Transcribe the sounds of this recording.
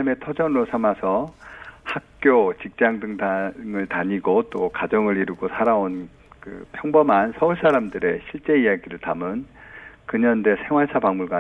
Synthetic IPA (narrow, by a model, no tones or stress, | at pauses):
me̞tʰʌd͡ʑʌnɯɾosʰamasʰʌhak̚k͈jot͡ɕik̚t͡ɕ͈aŋdɯŋdaŋɯɭtaɲiɡot͈okad͡ʑʌŋɯɾiɾuɡosʰaɾaon | kɯ̰pʰjʌŋbʌmansʰʌuɭs͈aɾamdɯɾe̞ɕʰiɭt͡ɕ͈e̞ijaɡiɾɯɭtamɯnkɯɲʌnde̞sʰe̞ŋwaɭs͈ʰapaŋmuɭɡa